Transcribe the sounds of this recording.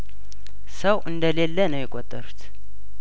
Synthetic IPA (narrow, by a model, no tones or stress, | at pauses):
səwʔɨnd̪əlelːənəwjɪkʷʼot̪ʼːəɾut̪